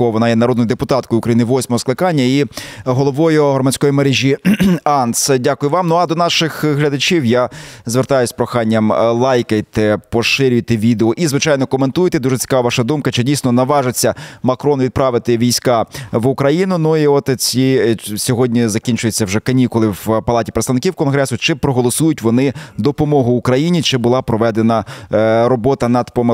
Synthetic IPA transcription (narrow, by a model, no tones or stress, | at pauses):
ɔʋɔnɑjɛnɐɾɔd̪njʊd̪epʊt̪ɑt̪kɔjʊkɾɐjinɪʋɔsʲmɔɦɔsklˠɪkɑnʲːɐiɦɔlˠɔʋɔjʊɦrɔmɐt͡sʲkɔjimeɾeʒʲiɑnsdʲakʊjʊʋɑmnuɐd̪ɔnɑʃɪxɦlʲɐd̪ɐt͡ʃʲiwjazʋert̪ɑjʊsʲpɾɔxɑnʲːɐmlˠɑjkɐjt̪ɛpɔʃɪɾʲʊjt̪ɛʋʲid̪eɔʔizʋɪt͡ʃɑjnɔkɔment̪ujt̪ɛd̪uʒet͡sʲi̥kɑʋɐʋʃɑd̪umkɐt͡ʃɛdʲijsʲnɔnɐʋɑʐɪt͡sʲːɐmɐkɾɔnʋʲid̪̚pɾɑʋɪt̪ɪʋʲijsʲkɑʋʊkɾɐjinʊnʊiɔt̪t͡sʲisʲɔɦɔdʲnʲizɐkʲinʲt͡ʃʊjet͡sʲːɐwʒɛkɐnʲikʊlˠɪwpɐlˠɑtʲi̥pɾet̪st̪ɐʋnɪkʲiwkɔnɦɾɛsʊt͡ʃɪpɾɔɦɔlˠɔsujʊtʲʋɔnɪd̪ɔpɔmɔɦʊːkɾɐjinʲit͡ʃɪbʊlˠɑpɾɔʋɛd̪enɐɾɔbɔt̪ɐnɐd̪pɔm